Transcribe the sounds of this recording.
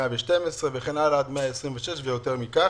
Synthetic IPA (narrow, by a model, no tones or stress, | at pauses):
aveʃtemesʁeveχenalad̪meaesʁimveʃeʃvejo̞t̪eʁmika